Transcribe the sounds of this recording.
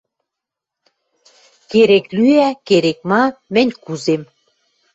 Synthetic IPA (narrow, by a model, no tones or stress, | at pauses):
keɾeklyækeɾek̚mɑmɘ̆nʲkuzem